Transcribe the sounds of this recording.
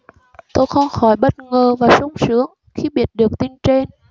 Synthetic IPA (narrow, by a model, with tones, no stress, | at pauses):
t̪o˧jxə˧wŋ͡mxɔ˧˩jɓə˦˥t̚ŋəː˨˩vaː˨˩sʊ˨˧˦wŋ͡msɨ˨˦əŋ | xi˧ɓi˨˥ət̚ɗɨ˨˩ək̚t̪i˧nt͡ɕe˧n